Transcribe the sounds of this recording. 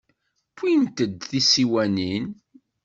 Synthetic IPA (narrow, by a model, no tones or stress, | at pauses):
kʰʷːint̪əd̪θisiwænin